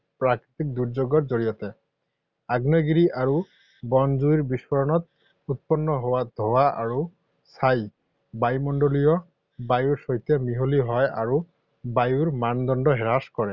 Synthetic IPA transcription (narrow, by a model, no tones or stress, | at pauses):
pɹakɹit̪ik̚d̪uɹzoɡɔtzoɹijɔtɛ | aɡnɔɡiɹiʔaɹu | bɔnzuiɹbiswɔɹɔnɔt̪̚ | ut̪̚pɔnːɔɦowad̪ʱowaʔa̰ɹu | saj | bajmɔndolijɔ | bajuɹsɔjt̪ɛmiɦoliɦɔja̰ɹu | bajuɹmand̪ɔndɔɦɛɹaskɔɹɛ